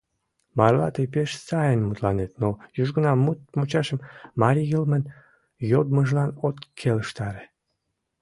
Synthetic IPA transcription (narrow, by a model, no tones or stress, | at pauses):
mɑrlɑ̰t̪epeʃsɑjənmut̪lɑnet̪nojyʒɡənɑmut̪mut͡ɕɑʃəmmɑɾʲijəlmən | jod̪məʒlɑnot̪kʰeləʃt̪ɑɾe